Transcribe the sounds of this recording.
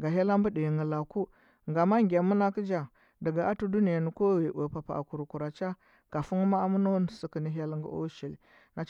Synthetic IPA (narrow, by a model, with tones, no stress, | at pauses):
ɡa˨ɦa˦la˦mbə˦di˨ŋɡə˨la˨ku˦ | ŋɡa˨ma˦ŋɡʲa˨mu˦na˦ki˦d͡ʒa˨ | də˨ɡa˨a˦tu˦du˦ni˨ja˨ni˨ko˦ɣi˨ʔa˨pa˨pa̰˨a̰˨ku˨ɾu˨ku˨ɾa˨t͡ʃa˦ | ka˨fu˦ŋ˦ma˦a˦mu˦no˦n˨si˦kə˨ni˦ɦa˦lŋɡṵ˦ʔo̰˦ʃi˨l | na˨